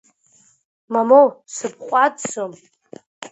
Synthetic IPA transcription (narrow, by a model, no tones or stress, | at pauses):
mamowsɨp̚ʰqʷʼadt͡som